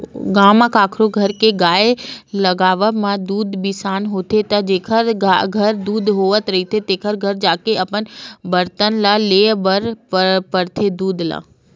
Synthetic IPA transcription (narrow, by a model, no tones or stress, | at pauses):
ɡaːmakaːkʰɾoɡʱɐɾkeɡaːelɐɡaːʋəmãd̪uːd̪bisaːnɦoːt̪ʰet̪ɐd͡ʒeːkʰəɾɡaɡʱɐɾd̪uːd̪ɦoːʋət̪ɾɐɦit̪ʰet̪eːkʰəɾɡʱɐɾd͡ʒaːkeɐpənbɐɾt̪ənlaleːbəɾppəɾt̪ʰed̪uːd̪la̰ː